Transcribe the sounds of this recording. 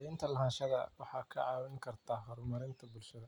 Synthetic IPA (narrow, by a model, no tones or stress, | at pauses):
ɪnt̪ʰɐlɐɦaːnʃɐɣɐ̰wɑħɑːkʰɐʕɑːwɛŋkʰɐrt̪ʰaːɦɐɾʊmɐɾɪnt̪ʰɐbʊlʃɐðɐ